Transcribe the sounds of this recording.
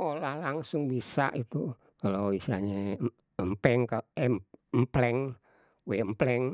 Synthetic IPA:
olahlaŋsʊŋbisa̰ʔit̪u | kaloisiaɲe | əmpɛŋkaɛmplɛŋ | weəmplɛŋ

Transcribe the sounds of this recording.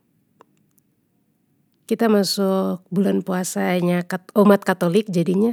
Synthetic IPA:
kit̪amasʊk̚bulanpuasaɲaɔmat̪̚kat̪olɪk̚d͡ʒadiɲa

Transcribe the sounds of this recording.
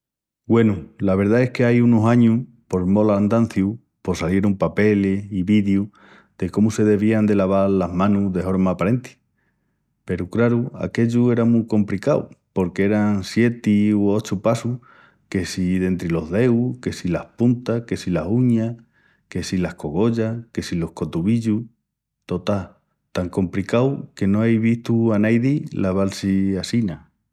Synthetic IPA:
we̞nulaβ̞e̞ɾðae̞hke̞ajunosaɲuh | po̞ɾmo̞land̪an̟θju | po̞salje̞ɾumpape̞leiβiðju | d̪̥e̞ko̞muse̞ðe̞βiand̪e̞laβ̞aɾlaɦmãnuðe̞fo̞ɾmaːpaɾe̞nt̪i̥ | pe̞ɾukɾaɾua̰ke̞ʎue̞ɾamũko̞mplikaw̰po̞ɾkee̞ɾaŋsje̞t̪iuo̞t͡ʃupasu | ke̞siðe̞nt̪ɾilo̞ɦðe̞wke̞silahpunt̪ahke̞silasuɲa | ke̞silahko̞ɣo̞ʎake̞silo̞hko̞t̪uβiʎu | t̪o̞t̪a | t̪aŋko̞mpɾikawke̞no̞ajβiht̪uanajðilaβ̞alsiasina

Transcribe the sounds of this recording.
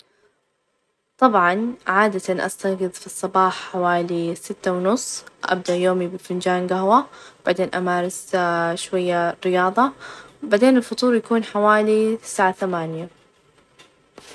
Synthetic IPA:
t̪ˤɑbʕɑnʕaːd̪at̪anʔa̰st̪aɡɨðˤfisˤːɑbɑːħħawaːlisɪt̪ːawnʊsˤːʔa̰b̚d̪aʔjoːmibɪlfɪnd͡ʒaːnɡaɦwab̥aʕd̪eːnʔamaːɾˤɪsʃwajːarːɪjɑːðˤɑbaʕd̪eːnɪlfʊt̪ˤuːɾjakuːnħawaːlisaːʕaθamaːnja

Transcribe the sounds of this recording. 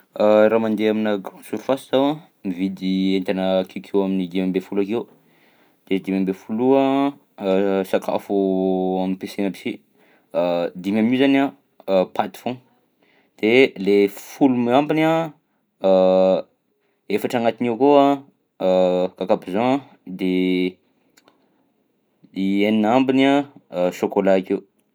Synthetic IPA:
aɾamand̪eaminaɡrɔ̃suɾifasi̥t̪awã | mivid̪ient̪anəkʰewkʰewaminid̪imambefulakew | d̪̥ed̪imʲambefulua | sakʰa̰fuaminpesenəbi̥si | d̪imamizana | pʰat̪i̥fõ | d̪̥elefulumambina | efaʈ͡ʂaŋat̪inewkoa | kakabizã | d̪e | ieninambinaʃokolaakew

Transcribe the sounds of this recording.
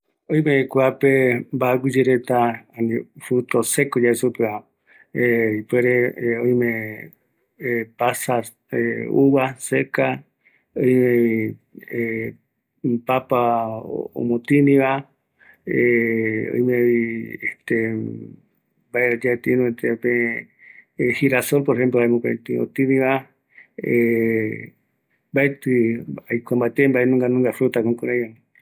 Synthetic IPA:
oj̃mẽkʷapembaakʷid͡ʒeɾet̪aanĩfut̪osekod͡ʒaesupea | eipweɾeoj̃mẽ | pasaɾ | euβaseka | oj̃mẽie | papa̰ | o̰mõt̪inĩβa | eo̰jmẽieht̪e | baeɾad͡ʒaet̪inũet̪epẽ | hiɾasolpoɾehemp̬loajmõkẽt̪ɨo̰t̪ɨnĩβa | e | mbaet̪ɨajkʷambaet̪embaenũŋɡanũŋɡafɾut̪akõŋkuɾajanĩ

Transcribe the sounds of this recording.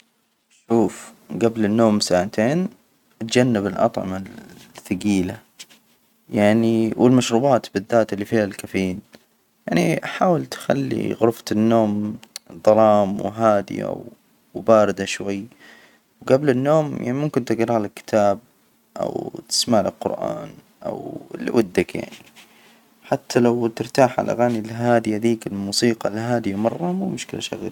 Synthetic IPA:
ʃuːfɡablɪnːoːmsaːʕat̪ʰeːn | ʔat̪d͡ʒanːɪbɪlʔɑ̰t̪ˤʕɑ̰maθaɡiːla | jaʕniwɪlmaʃɾuːbaːt̪bɪðːaːt̪ɪlːifiːalkafiːn | jaʕniʔaħaːwɪlt̪xa̰lːḭɣʊɾft̪ɪnːoːmd̪ˤɑlˤɑːmwɦaːd̪ɪ̰ja̰w | baːɾɪd̪aʃwajː | wɡablɪnːoːmja̰ʕnimʊmkɪnt̪ɪɡɾˤɑlɪkːɪ̥t̪ʰaːb̚ | ʔa̰wt̪ɪ̥smaʕlɪ̰lqʊ̰ɾʔa̰ːn | ʔa̰wlwʊd̪ːakja̰ʕni | ħat̪ʰːalawt̪ɪɾt̪aːħʕa̰lʔa̰ɣaːnilɦaːd̪ɪhad̪iːkɪlmuːsiːqɑlɦaːd̪ijmɑrˤːɑmuːmʊʃkɪla̰ʃa̰ɣl

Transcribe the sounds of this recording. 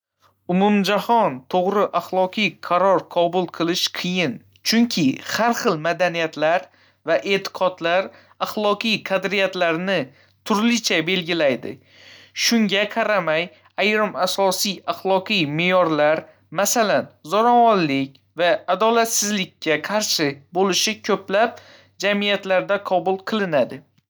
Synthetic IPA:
ʊmʊmd͡ʒahɒnt̪ʰoʁɾɪʔaχlˠɒqʰijqʰɑɾɒɾqʰɒbʊlˠqʰɨlˠɪʃqʰɨjɪn | t͡ʃʰʊŋkʲʰɪhaɾχɨlˠmad̪anijat̪laɾ | vaʔe̞t̪ʰɪ̥qʰɒd̪laɾ | aχlˠɒqɨjqʰɑd̪ɾijat̪laɾnɪ | t̪ʰʊɾlɪt͡ʃʰabe̞lɡʲɪlajd̪ɪ̰ | ʃʊŋɡʲaqʰɑɾamaj | ajɾɪmasɒsijaχlˠɒqijmejɒɾlaɾ | masalanzɒɾɒwɒnlɪkʲ | vaːd̪ɒlat̪sɪzlɪkʲːaqʰɑɾʃɪbolɪʃɪkʲʰɵplap̚ | d͡ʒamijat̪laɾd̪aqʰɒbʊlˠqʰɨlˠɪnad̪ɪ

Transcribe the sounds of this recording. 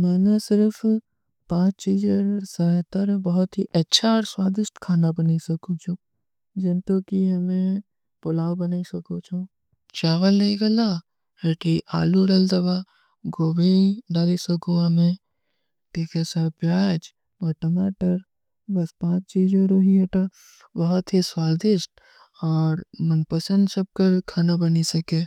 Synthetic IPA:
maːnesɪɾf | pãːt͡ʃt͡ʃiːd͡ʒoɾsət̪əɾbɐɦʊt̪ɦiʔɐtːʃʰaɾswaːd̪ɪʃʈ̪kʰaːnabɐnisɐkũt͡ʃʰũ | d͡ʒɐnt̪okiɦɐmẽ | pʊlaːwbɐnaːisɐkot͡ʃʰũ | t͡ʃaːʋəlnɐiɡɐla | ɦeːʈiʔa̰ːluɖɐld̪ɐba | ɡoːbʱiɖaːlisɐkũɦɐmẽ | tikʰesapjaːd͡ʒ | bəʈɐmaːʈəɾ | bɐspãːt͡ʃt͡ʃiːd͡ʒõɾoːɦieʈa | bɐɦɔt̪ɦiswaːld̪ɪsʈ̚ | ɔːɾmɐnpɐsə̃nd̪sɐb̚kɐɾkʰaːnabɐnisɐkẽː

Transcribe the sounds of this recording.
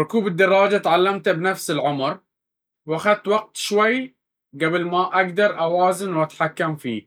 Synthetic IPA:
ɾʊkuːbɪd̪ːɑrˤːɑːd͡ʒat̪ʕalːamt̪bnafsɪlʕʊmɾ | wʔaxad̪̚t̪waɡ̚t̪ʃwaj | ɡabɪlmaʔaɡd̪ɑɾˤʔawaːzɪnwʔat̪ħakːamfḭː

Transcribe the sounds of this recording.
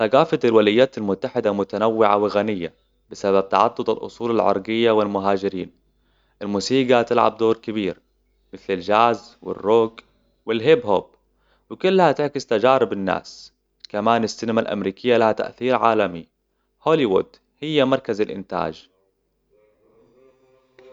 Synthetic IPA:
t̪aɡaːfat̪alwalajːaːt̪almʊt̪ːaħɪd̪amʊt̪anawːɪʕa̰wɪɣanɪjːa̰ | bɪsabab̚t̪ɑʕɑt̪ˤːʊd̪ˤɑlʔʊ̰sˤuːlalʕɑ̰ɾˤɡɪjːawɪlmʊɦaːd͡ʒɪɾiːn | ʔɪlmuːsiːɡat̪ɪlʕa̰b̚d̪oːɾkɪbiːɾ | mɪθlald͡ʒaːzwɪ̰rːoːɡ | wɪlɦɪbhob̚ | wɪkʊlːhat̪ɪʕkɪst̪ad͡ʒaːɾɪbɪnːa̰ːs | kamaːnasːɪnamalʔa̰mɾiːkɪjːalahat̪a̰ʔθiːɾʕaːlami | hoːliwʊd̪ | hɪjːamɑɾˤkazalʔɪ̰nt̪a̰ːd͡ʒ

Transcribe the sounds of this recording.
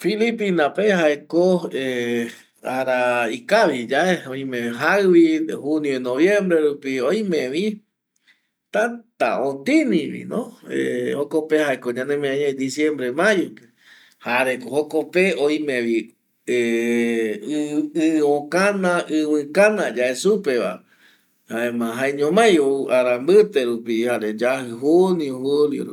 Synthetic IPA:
filipinãpehaekoe | aɾaikaβid͡ʒaʔeõj̃mẽɦaβihunjonoβjẽmbɾeɾupioj̃mẽʋi | t̪at̪a̰õt̪ĩnĩβḭnõḛhokopehaekoɲãnẽmẽãɲẽd̪isjẽmbɾemajoke | haɾekohokopeoj̃mẽʋi | e | ɨõkanãʔɨwɨ̃kanãd͡ʒaesupeβa̰ | haemãɦaeɲõmãjouaɾambɨt̪eɾupihaɾed͡ʒahɨɦuniuhuljo̰ɾṵ

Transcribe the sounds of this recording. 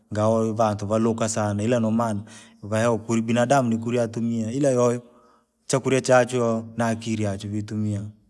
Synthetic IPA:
ŋɡaɔβant̪uβalokasanailanɔmana | βajaɔkuɾibinadamnik̬uɾiat̪umiailajɔjɔ | t͡ʃakuɾiat͡ʃat͡ʃuɔnakiɾiat͡ʃuβit̪umia

